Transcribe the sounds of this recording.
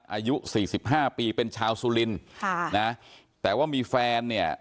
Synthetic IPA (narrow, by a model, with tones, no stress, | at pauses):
n̚ʔaː˧ju˦˥siː˨˩si˨˩p̚ɦaː˥˩piː˧pe˧nt͡ɕʰaː˧wsuː˧li˧nʰ˩na˦˥ | t̪ɛː˨˩waː˥˩miː˧fɛː˧nːi˥˩ə